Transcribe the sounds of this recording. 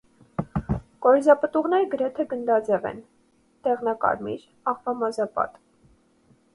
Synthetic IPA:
kɔɾizɑpət̪uʁn̪ɛɾɡəɾɛt̪ʰɛɡənd̪ɑd͡zɛvɛ̰n | t̪ɛʁnɑkɑ̰ɾmḭɾ | ɑʁvɑmɑzɑpɑ̰t̪

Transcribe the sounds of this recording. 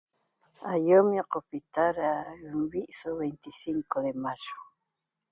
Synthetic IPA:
ajomɪqopɪt̪aɾambiʔsoβejnt̪ɪsiŋkod̪emaɾo̥

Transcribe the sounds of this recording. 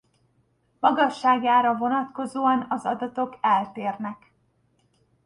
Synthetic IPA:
mɒɡɒʃːaːɡaːɾɒvo̞nɒt̪ko̞zoːɒnɒzɒd̪ɒt̪o̞kɛlt̪eːrnɛk

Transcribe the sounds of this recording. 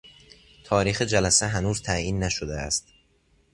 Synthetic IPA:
t̪ʰɒːɾiːxed͡ʒælæseɦænuːzt̪ʰæiːnːæʃod̪eæ̰st̪

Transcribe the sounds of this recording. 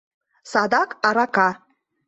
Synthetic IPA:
sad̪akʼaɾakʰʼa

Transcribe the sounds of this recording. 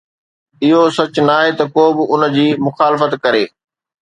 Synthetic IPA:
ɪɦosɐt͡ɕnaːɦet̪ɐkoːbɪʊnd͡ʑiːmʊxaːlɪfət̪kɐɾeː

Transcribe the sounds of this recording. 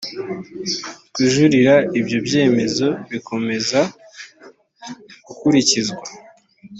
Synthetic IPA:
kwiːʒuɾiɾaibjo̞bje̞ːme̞zo̞βiko̞me̞za | ɡ̥ukuɾicizɡwa

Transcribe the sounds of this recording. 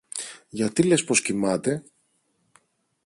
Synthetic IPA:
ʝɐt̪ile̞spo̞scimɐt̪e̞

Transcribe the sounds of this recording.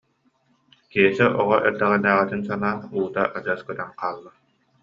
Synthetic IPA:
kiɛsɛʔɔʁɔʔɛɾd̪ɛʁɛd̪æːʁit̪insanaːuːt̪aʔad͡ʑɯːskœt̪anqaːlˠːa

